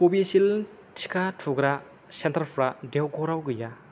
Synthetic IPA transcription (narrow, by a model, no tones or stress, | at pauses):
pobisil | tʰi̥kʰatʰuɡɾa | sentʰɐɾpʰɾadewɡɔɾawɡɯja